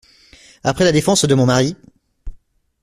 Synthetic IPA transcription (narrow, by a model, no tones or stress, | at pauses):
apχɛlad̪efɑ̃sd̪əmɔ̃maʁi